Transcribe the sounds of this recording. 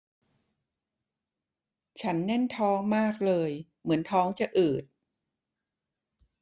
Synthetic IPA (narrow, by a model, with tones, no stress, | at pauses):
t͡ɕʰa˦˥nːɛ˥˩nt̪ʰɔː˦˥ŋmaː˥˩k̚lɤː˧j | mɯ˩˦ənt̪ʰɔː˦˥ŋt͡ɕa˨˩ʔɯː˨˩t̪̚